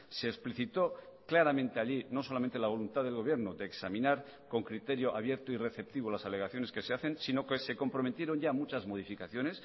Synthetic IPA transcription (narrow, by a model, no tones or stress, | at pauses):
se̞ːspliθit̪o̞klaɾamẽ̞nt̪eaʎino̞so̞lamẽnt̪elaβ̞o̞lunt̪aðe̞lɣo̞βje̞ɾnoðe̞ːksamĩnaɾ | ko̞ŋkɾit̪e̞ɾjoʔa̰βje̞ɾt̪oire̞θe̞p̚t̪iβ̞olasale̞ɣaθjo̞ne̞ske̞se̞aθe̞nsino̞kese̞ko̞mpɾo̞met̪je̞ɾo̞ɲʝamut͡ʃazmo̞ð̞ifikaθjo̞ne̞s